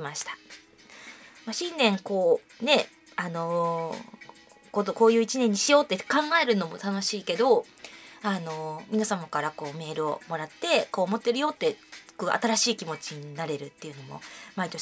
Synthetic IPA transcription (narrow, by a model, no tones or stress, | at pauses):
maɕi̥t̪ḁ | maɕĩnːẽ̞ŋko̞ː | ne̞ | ano̞ | kot̪oko̞ːjɯ̟ːit͡ɕinẽ̞ɲ̟ːiɕijo̞ːt̪ːekãŋɡae̞ɾɯ̟no̞mo̞t̪ano̞ɕiːke̞d̪o̞ | ano̞mʲinasamakaɾako̞ːme̞ːɾɯ̟o̞̰mo̞ɾat̪ːe̞ko̞ːmo̞t̪ːe̞ɾɯ̟jo̞ːt̪ːe̞̥kɯʔa̰t̪aɾaɕiːkʲimo̞t͡ɕiɲ̟inaɾe̞ɾɯ̟t̪ːe̞jɯ̟no̞mo̞̰mait̪o̞